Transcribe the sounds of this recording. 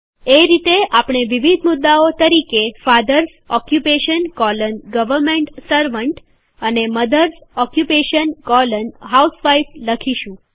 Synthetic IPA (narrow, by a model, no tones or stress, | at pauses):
eɾit̪eʔapɳ̃eʋiʋid̪ʱmʊd̪ːaot̪əɾikefad̪əɾs | ɔkjupeʃənkɔlənɡəʋəɾmẽɳʈsəɾʋəɳʈ | əneməd̪əɾsɔkjupeʃənkɔlənɦausʋajfləkʰiʃũ